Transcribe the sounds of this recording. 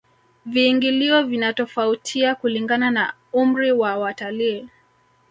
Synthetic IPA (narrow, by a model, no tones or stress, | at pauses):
viːŋɡiliɔvinatɔfautʰiakuliŋɡanana | um̩ɾiwawataliː